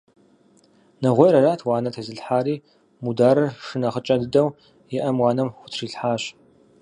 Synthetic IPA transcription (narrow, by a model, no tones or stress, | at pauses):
nɐʁʷɔjɾɐraːtʰwɑːnɐtʰɐzɨɬħaːɾiː | mudaːɾɐrʂɨnɐχət͡ʃʼɐdɨdɐw | jɪʔɐmwɑːnɐmxʷʊtʰriːɬħaːɕ